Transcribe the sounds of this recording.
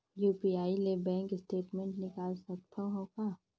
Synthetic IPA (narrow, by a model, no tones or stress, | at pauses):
juːpiaːilebɛ̃ːŋkɪsʈeːʈmẽɳʈnɪkaːlsɐt̪̚pʰəɦõːkaː